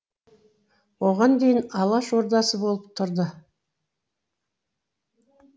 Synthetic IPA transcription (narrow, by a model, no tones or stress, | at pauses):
wo̞ʁɑnd̪ejɪnɑlˠɑʃo̞ɾd̪ɑsəbo̞lˠəp̚t̪ʰʊɾd̪ə